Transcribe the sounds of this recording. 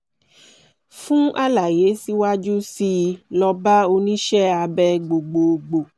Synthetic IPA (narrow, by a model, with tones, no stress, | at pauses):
fũ˦a˦la˨je˨˦si˦wa˦d͡ʒu˦si˧lɔ˧ba˦o˧nĩ˦ʃɛ˦a˧bɛ˦ɡ͡bo˨ɡ͡bo˨ɡ͡bo˨